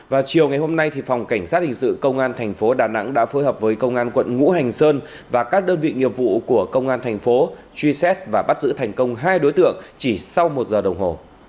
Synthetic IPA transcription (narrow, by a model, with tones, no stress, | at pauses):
vaː˨˩wt͡ɕi˨˩əwŋa˨˩jɦo˧mna˧jt̪ʰi˨˩fa˨˩wŋ͡mka˧˩jŋ̟saː˦˥t̚hï˨˩ŋ̟sɨ̰˧˨kə˧wŋ͡mʔaː˧nt̪ʰɛ˨˩jŋ̟fo˨˦ɗaː˨˩na̰˧˥ŋɗa̰ː˧˥foː˨˦jɦəː˨˩p̚vəː˨˦jkə˧wŋ͡mʔaː˧nkwə̰˧˨nŋṵ˧˥ɦa˨˩jŋ̟səː˧n | vaː˨˩kaː˦˥k̚ɗəː˧nvḭ˧˨ŋi˨˩əp̚vṵ˧˨ku˧˩əkə˧wŋ͡mʔaː˧nt̪ʰjŋ̟fo˨˦ | t͡ɕwi˧sɛ˦˥t̚vaː˨˩ɓa˦˥t̚zɨ̰˧˥t̪ʰɛ˨˩jŋ̟kə˧wŋ͡mɦaː˧jɗo˨˦jt̪ɨ̰˧˨əŋt͡ɕi˧˩sa˧wmo˨˩t̚zəː˨˩ɗə˨˩wŋ͡mɦo˨˩